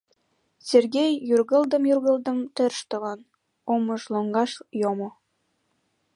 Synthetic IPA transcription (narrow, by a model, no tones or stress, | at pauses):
sʲerɣejːyrɣə̆ld̪əmjyrɣəld̪ə̆mt̪erʃt̪ə̆βɑn | oməʃloŋɡɑʃjomo